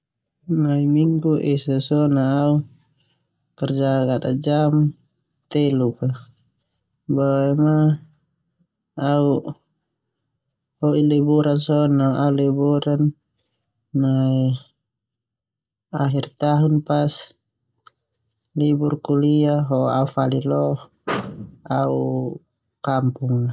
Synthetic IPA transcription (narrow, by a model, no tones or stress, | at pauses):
naimiŋɡuʔɛsasɔnaːu | kərd͡ʒaɡat̪ad͡ʒam | t̪ɛluka | baɛma | au | hɔilɛbuɾansɔnɔaulibuɾanː | ai | aɦirt̪aɦunpas | liburkuliaɦɔaufalilɔh | au | kampuŋa